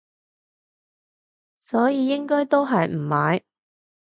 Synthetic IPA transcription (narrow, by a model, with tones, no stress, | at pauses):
sɔː˨˥jiː˨˧jɪ˥ŋkɔː˥jt̪o˥wɦɐ˨jm̩˨˩maː˨˥j